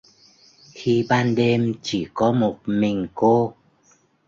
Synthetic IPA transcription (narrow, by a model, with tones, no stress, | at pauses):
xi˧ɓaː˧nɗe˧mt͡ɕi˧˩kɔ˨˦mo˨˩t̚mï˨˩ŋ̟ko˧